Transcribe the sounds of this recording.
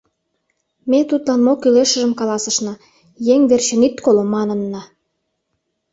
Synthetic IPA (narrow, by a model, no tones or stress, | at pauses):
met̪ut̪lɑnmokyleʃə̆ʒə̆mkɑlɑsə̆ʃnɑ | jeŋβerɕə̆nit̪kolomːɑnə̆nːɑ